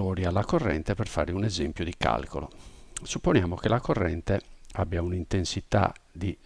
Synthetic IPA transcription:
oːɾialːakorːɛ̰nt̪ɛpɛrfa̰ːɾeunɛzɛmpjod̪ika̰lkolosupːonjaːmokelakorːɛnt̪eabːjaunint̪ensit̪a̰d̪i

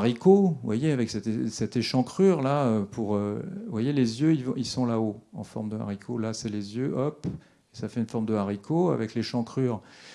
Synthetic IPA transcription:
ʁikovwajeavɛksɛt̪esɛt̪eʃɑ̃kχyʁlaøpʰuʁøvwajelezjøilvɔ̃ilsɔ̃laoɑ̰̃fɔʁmd̪əa̰ʁikʰolasɛlezjøʔɔp | esafɛynfɔʁmd̪əaʁikʰoa̰vɛkleʃɑ̃kχyːʁ

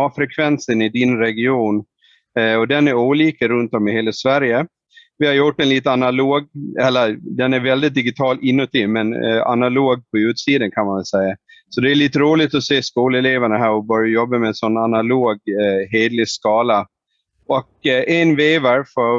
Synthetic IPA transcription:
ɑːfɾɛkʰvɛnsənɪd̪ɪnɾɛɡɪuːn | ɔd̪ɛnæɾuːliːkəɾɵnt̪ɔmːɪheːlasvæɾjə | vɪhaɾjʊʈːɛnliːt̪əanaloːɡ̚ɛlːəd̪ɛnæɾvɛld̪ɪt̪̚d̪ɪɡɪt̪ʰɑːlʔɪnːɵt̪ːimɛna̰naloːɡ̚pʰɔʉ̟ːt̪siːd̪ənkʰanmanvɛlsɛjːasɔd̪ɛːɾɭiːt̪əɾuːlɪt̪ɔseːskuːlɛleːvaɳəɦæːɾɔbœɾjajɔbːamɛnsɔnːanaloːɡɦeːd̪lɪskɑːla | ɔk̚ʔɛnveːvaɾfɔ

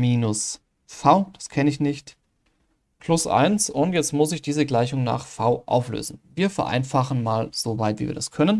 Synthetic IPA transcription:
miːnʊs | faʊd̥askʰɛnəɪçnɪçt | pʰlʊsʔa̰ɪnsʊntjɛt͡stmʊsɪçd̥iːzəɡlaɪçʊŋna̰ːχfaʊʔa̰ʊflø̰ːzn̩viːɐfɛɐʔa̰ɪnfaχn̩maːlz̥ovaɪtv̥iːviːɐd̥askʰœnən

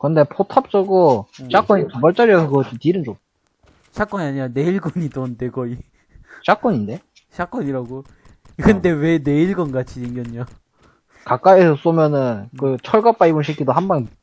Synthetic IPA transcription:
kɯnde̞pʰotʰap̚t͡ɕ͈ʌɡoɕ͈ʰak͈oɲitubʌɭt͡ɕ͈aɾiʌsʰɯkʌtotiɾɯnd͡ʑot̚ | ɕʰak͈ʌɲaɲiɾane̞iɭɡoɲit͈ondeɡʌi | ɕ͈ak͈ʌɲinde̞ | ɕʰak͈ʌɲiɾaɡo | iɡɯnde̞we̞ne̞iɭɡʌnɡat͡ɕʰieŋɡjʌɲːo | kak͈aiesʰʌs͈omjʌnɯnkɯt͡ɕʰʌɭɡap͈aibunɕʰikʰidoɦambaŋ

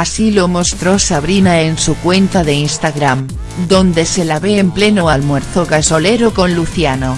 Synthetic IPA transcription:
asilomost̪ɾosaβ̞ɾinaensukwe̞nt̪aðe̞inst̪aɣɾam | d̪õ̞nd̪e̞se̞laβeːmple̞noalmweɾθoɣaso̞le̞ɾokõ̞nluθjano

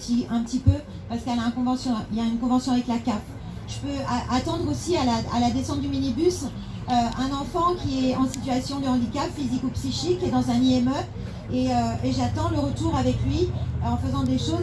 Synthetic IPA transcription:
t̪iɛ̃pət̪ipø | paʁsə̥kɛlaɛ̃nkɔ̃vɑ̃sjɔ̃iljaynkɔ̃vɑ̃sjɔ̃avɛklakap | ʒ̥əpøaʔat̪ɑ̃d̪ʁosialaa̰lad̪esɑ̃t̪̚d̪yminibys | øɛ̃nɑ̃fɑ̃kʲiɛɑ̃sit̪ɥasjɔ̃d̪əɑ̃d̪ikapfizikupsiʃikʲːiɛd̪ɑ̃zɛ̃niɛmœ | eøeʒat̪ɑ̃ləʁət̪uʁavɛklɥiɑ̃fəzɑ̃d̪eʃoz

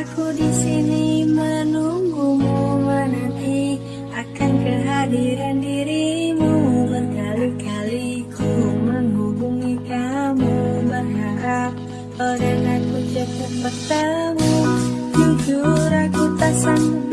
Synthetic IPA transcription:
akudisinimənuŋɡumumanat̪i | akankəɦadiɾandiɾimuləkalikalikuməŋɦubuŋikamuməŋɦaɾap̚ | oɾəŋakud͡ʒakəpərt̪aŋud͡ʒud͡ʒuɾakut̪asan

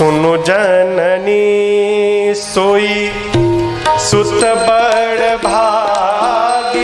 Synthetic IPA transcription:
ʊnud͡ʒənəni | soːi | sʊt̪bəɽbʱa | l

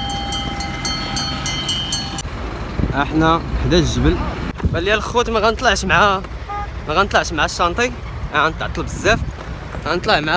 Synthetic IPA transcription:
ʔəħnæħd̪æʒəbəlbæljælxut̪mæɣænt̪ˤlɑʕʃmʕæ | mæɣænt̪ˤlɑʕʃmʕæʃːɑnt̪ˤi | ʕænt̪əʕt̪ˤəlbəzːæf | ɣænt̪ˤlɑʕmʕ

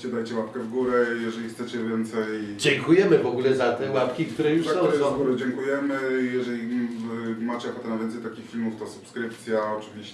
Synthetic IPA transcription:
t͡ɕɛd̪ajt͡ɕɛwapkɛvɡuɾɛjɛʐɛlʲixt̪sɛt͡ɕɛvʲjɛnt̪sɛjd͡ʑɛŋkujɛmɘvɔɡulɛzat̪ɛwapkʲik̚t̪uɾɛjuʂaɔ̃ɔ̃vɡuɾɛd͡ʑɛŋkujɛmɘjɛʐɛlʲivmat͡ɕɛakɔt̪ɛnavʲjɛnsɛjt̪akʲixfʲilmuft̪ɔsupskɾɘpt̪sʲjaɔt͡ʂɘvʲiɕ

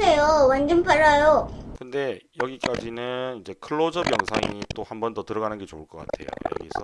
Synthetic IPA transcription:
ejowand͡ʑʌnpʰaɾajokɯnde̞jʌɡik͈ad͡ʑinɯnid͡ʑe̞kʰɯɭːod͡ʑʌbjʌŋsʰa̰ŋiit͈ohambʌndʌtɯɾʌɣanɯnɡe̞t͡ɕouɭk͈ʌk͈atʰe̞̰jo̰jʌ̰ɡḭs͈ʰʌ

